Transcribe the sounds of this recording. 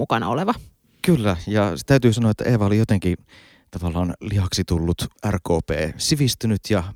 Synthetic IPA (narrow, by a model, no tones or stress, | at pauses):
ukɑnɑ̰o̰leʋɑ | kylːæjɑset̪æyt̪yːsɑnoɑet̪ːæ̰ʔeːʋæolijot̪eŋki | t̪ɑʋɑlːˑɑːnliɑksit̪ulːut̪ærkoːpḛːsiʋist̪ynyt̪jɑ